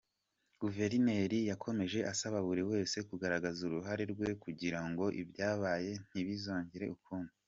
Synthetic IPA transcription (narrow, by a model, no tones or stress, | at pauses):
ɡ̥uve̞ɾine̞ɾijakʰo̞me̞ʒe̞ʔasaβaβuɾiwe̞ːse̞kuɡaɾaɡazuɾuɦaɾe̞ɾɡwe̞kuɟiɾaŋɡo̞ʔibjaːβaːje̞n̥iβizoːɲɟiɾe̞ʔukʰuːni